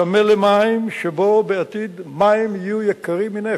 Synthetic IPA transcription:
amelemaimʃebo̞beat̪id̪maimijujekɐʁimːine

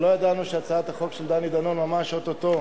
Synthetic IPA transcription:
lojad̪anuʃeat͡saat̪haχo̞kʃeld̪anid̪anonmamaʃot̪ot̪o

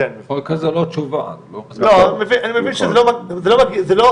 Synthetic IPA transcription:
okazalot͡ʃuva̰lolomevinʔanimevinʃezelomazelomakizelo

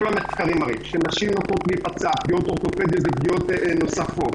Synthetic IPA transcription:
olameχkaʁimaʁḭʃenaʃimnotot̪lipat͡sapɡiot̪oʁt̪o̞ped̪ijozep̚ɡiot̪nosafot̪

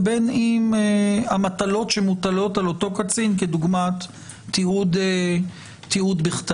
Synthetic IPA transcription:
benimeamat̪alo̞tʃemut̪alo̞t̪alo̞t̪o̞kat͡sinked̪uɡmat̪ː | iud̪e | tːiud̪biχt̪

